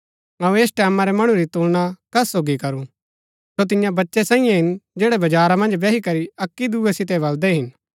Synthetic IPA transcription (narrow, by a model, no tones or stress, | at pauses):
ɐ̃ũeːsʈɛːmãɾɛmɐɽ̃ũɾit̪uːlɽ̃akɐsoːɡikɐɾu | sot̪̬ɪjãbɐtːʃɛsɛ̃ːɪ̃jãɦɪnd͡ʒeːɽɛbɐd͡ʒaːɾamɐ̃nd͡ʒbɛːɦikɐɾiɐkːid̪uːɛsɪt̪̬ɛbɐld̪ɛɦɪn